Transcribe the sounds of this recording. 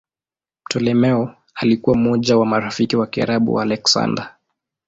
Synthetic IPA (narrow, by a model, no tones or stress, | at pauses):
m̩tʰɔlɛmɛɔ | alikuwam̩ɔʄawamaɾafikiwakia̰ɾaɓṵalɛksa̰nda